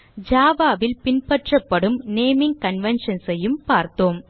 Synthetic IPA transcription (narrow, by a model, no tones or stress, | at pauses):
d͡ʒaːʋaːʋɪlpɪnpɐʈrɐpːɐɽɯmneːmɪŋɡ̚kɐnʋɛnʂɐnsɛjɯmpaːɾt̪oːm